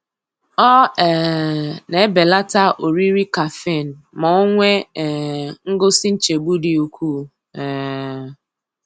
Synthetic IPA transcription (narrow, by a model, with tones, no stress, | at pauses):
ɔ˦ɛ˨ne˨e˦be˨la˦ta˦ʔo˨ɾi˦ɾi˦ka˨fe˦˨n̩˨mɔ˨o˦ŋʷe˦˨ | ŋ̩˦ɡʊ˦si˦n̩˦t͡ʃe˨ɡ͡bu˦di˨u˨kʰʷu˦˨ | ɛ˨